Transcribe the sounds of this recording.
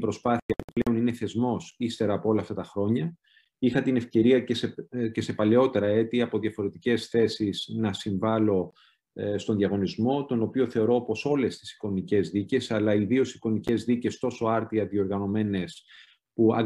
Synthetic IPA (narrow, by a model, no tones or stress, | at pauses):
pɾo̞spɐθiɐpuple̞onine̞θe̞zmo̞sist̪e̞ɾɐːpo̞o̞lɐːft̪ɐt̪ɐxɾo̞ɲɐ | ixɐt̪ine̞fce̞ɾiɐcesece̞se̞pɐle̞o̞t̪e̞ɾɐe̞t̪iɐpo̞ðʝɐfo̞ɾe̞t̪ice̞sθe̞siznɐsiɱvɐlo̞ | st̪o̞nðijɐɣo̞nizmo̞t̪o̞no̞pio̞θe̞o̞ɾo̞opo̞so̞le̞st̪i̥si̥ko̞nice̞zðice̞sɐlɐiðio̞si̥ko̞nice̞zðice̞st̪o̞so̞ɐɾt̪iɐðio̞ɾɣɐno̞me̞ne̞s | puɐ̰